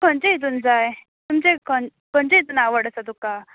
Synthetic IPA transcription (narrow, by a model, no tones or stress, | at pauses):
kʰəɳt͡ɕeid̪uːnd͡zaj | t̪umt͡ɕekəkəɳd͡ʑeid̪uːnaʋəɽəsad̪uka